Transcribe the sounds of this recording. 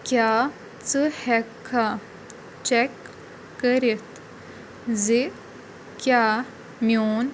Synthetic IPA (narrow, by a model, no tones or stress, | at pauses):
kjaː | t͡sɨhɛkʰːa | t͡ʃɛkː | əɾit̪ | zi | kʲjaː | mjoːn